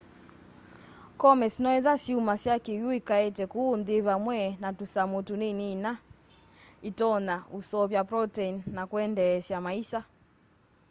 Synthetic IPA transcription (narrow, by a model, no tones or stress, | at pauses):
kɔmɛsnɔɛðasiumasjakijuikaɛtɛkunðiβamwɛnatusamutuninina | itɔnausɔvjapɾɔtɛinːakwɛndɛsjamaisa